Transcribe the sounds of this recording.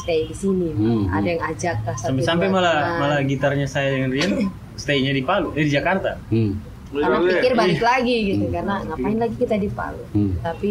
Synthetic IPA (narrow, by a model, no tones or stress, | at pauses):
st̪ɛjdisinia̰dajaŋad͡ʒak̚asaampɛsampɛmalamalaɡit̪arɲasajadəŋanriən | st̪aiɲadipaluadid͡ʒakart̪a | kanaikɪrbalaɡiɡit̪ukarnaŋaʔpaɪnlaɡikit̪adipa̰lut̪api